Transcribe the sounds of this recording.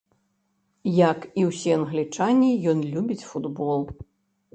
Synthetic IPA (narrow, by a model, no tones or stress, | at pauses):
jakiwsʲiɐnɣlʲit͡ʂanʲijɔnlʲubʲit͡sʲfud̪bɔlˠ